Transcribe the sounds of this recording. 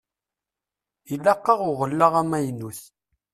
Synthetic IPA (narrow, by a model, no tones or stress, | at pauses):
ilːæqːɑʁʊʁəlːəʁæmæjnːuθ